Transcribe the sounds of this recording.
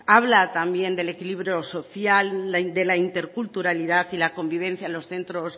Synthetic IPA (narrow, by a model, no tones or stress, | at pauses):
aβlat̪ambje̞nd̪e̞le̞kiliβɾjo̞so̞θjald̪e̞laint̪e̞ɾkult̪uɾaliðaθilako̞mbiβ̞ẽ̞n̟θjanlo̞sθe̞nt̪ɾo̞s